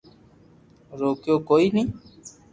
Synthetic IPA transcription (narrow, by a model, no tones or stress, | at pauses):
ɾoːkjoːkoːiːnĩː